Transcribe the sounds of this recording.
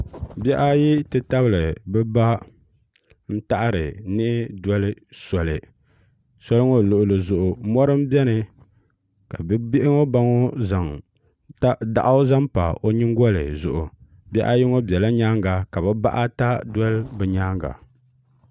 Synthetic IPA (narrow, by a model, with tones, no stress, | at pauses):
bɛ˦ʔa˦ji˦tɨ˦ta˦bɨ˨lɨ˨bɛ˦ba˦ | n̩˦ta˦ʔɾɨ˨nɨ˦ʔɪ˦dɔ˦lɨ˦sɔ˨lɨ˨ | sɔ˦lɨ˦ŋo˦˨lʊ˨ʔʊ˨lɨ˨zʊ˨ʔʊ˨mɔ˦ɾɨ˦m̩˦bɛ˦nɨ˨ | ka˨bbɪ˦ʔɪ˦ŋo˦ba˦ŋɔ˦za˨ŋ˦ | da̰˨ʔa˦o˦za˦mpa̰˨ʔo˦ɲi˦ŋ˦ɡɔ˦lɨ˨zʊ̰˨ʔʊ˨ | bʲɛ˦ʔa̰˦ji˦ŋo˦bɛ˨la˦ɲaː˦ŋɡa˨ka˨bɛ˦ba̰˦ʔa˦ta˦dwɔ˦lbɨ˨ɲaː˦ŋɡa̰˨